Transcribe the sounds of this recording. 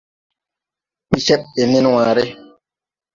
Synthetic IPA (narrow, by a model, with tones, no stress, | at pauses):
k͡pi˨sɛ˦ɓe˨ni˦nwaː˨ɾe˦